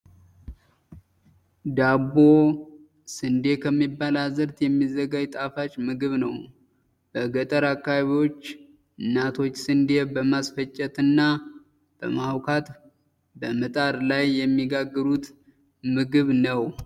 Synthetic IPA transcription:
d̪abo̞ | sɨnd̪e̞kʰəmːibːalazɨɾt̪jɛmːizəɡad͡ʒt̪ʼafat͡ʃːmɨɡɨβnəw | b̥əɡət̪ʼəɾakːaβio̞t͡ʃː | ɨnːat̪ʰo̞t͡ʃːsɨnd̪ebəmasfət͡ʃʼːɛt̪ɨnːa | b̥əmawkʰat̪ | bəmɨt̪ʼaɾlajːɛmːiɡaɡːɨɾut̪ | mɨɡɨβnəw

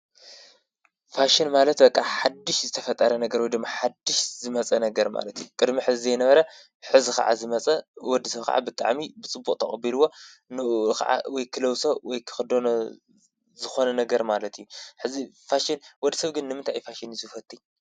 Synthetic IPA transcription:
faʃɪnmalɐt̪bɐkʼːaħad̪ːɨʃzɨt̪ʰɐfɐt̪ʼːɐɾɐnɐɡɐɾwɔjd̪ɨmːaħad̪ːɨʃzɨmɐt͡sʼɐnɐɡɐɾma̰lɐt̪ʰijukʼɨd̪miħɨzzenɐβɐɾɐ | ħɨzixa̰ʕa̰zɨmɐt͡sʼɐwɔd̪ːisɐβka̰ʕa̰bɨt̪ʼa̰ʕmibɨt͡sʼɨbːukʼt̪ʰɐ̰χʼɐbiluwːo̞nɨʔxa̰ʕa̰wɔjkʰɨlɐwsowɔjkʰɨ̥xɨd̪on | zɨxo̞nɐnɐɡɐɾmalɐt̪ʰijːuħɨzi | faʃɪnwɔd̪ːisɐβɡɨnːɨmɨnt̪ʰajfaʃɪnizfɐt̪ʼːi

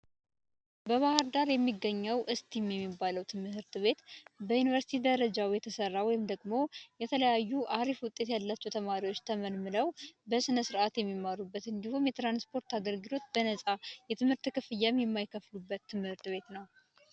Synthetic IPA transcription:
bəβahəɾd̪aɾjɛmːiɡːəɲːəwʔɨst̪ʰimjɛmːibːaləwt̪ʰɨmɨɦɨɾt̪βe̞t̪bəjunivəɾsi̥t̪ʰid̪əɾəd͡ʒawjɛt̪ʰəsərːawɔjɪmd̪əɡmo̞jɛt̪ʰələjajːuʔaɾifwʊt̪ʼːe̞t̪jalːat͡ʃːɛwt̪ʰəmaɾiwot͡ʃːt̪ʰəməlmɨləwbəsɨnəsɨɾʔat̪jɛmːimːaɾubːət̪ɨnd̪ihomjɛt̪ɾanspʰo̞ɾt̪aɡəlɡɨlo̞t̪bənəsʼajɛt̪ʰɨmhɨɾt̪ɨkɨfɨjːamjɛmːajkʰːəflubːət̪ʰːɨmhɨɾt̪βe̞t̪nəw

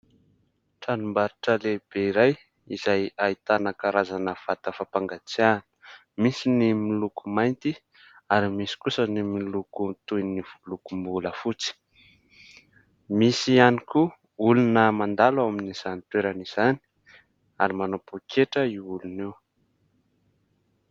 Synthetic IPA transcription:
ʈ͡ʂanumbaɾiʈ͡ʂəleb̥eiɾaj | izajait̪anakaɾazanəv̥at̪əfapaŋɡat͡sianə̥ | misinimilukumajnt̪i | aɾimisi̥kusənimilukut̪ujniv̥ulukumbuləfut͡si̥ | misianiku | ulunəmand̪alaminiz̥anit̪weɾaniz̥ani̥ | aɾimanopukʰeʈ͡ʂəiulunew

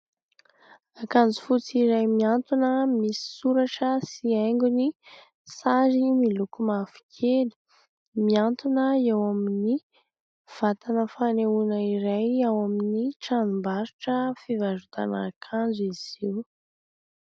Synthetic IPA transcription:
akand͡zu̥fut͡siɾajmiant̪unəmisi̥suɾaʈ͡ʂəsiajŋɡuni | sazimilukumafi̥kʰelə̥ | miant̪unəewamini | v̥at̪anəfaneunəiɾajawaminiʈ͡ʂanumbaɾuʈ͡ʂəfivaʒut̪a̰nakʰand͡ziz̥iw

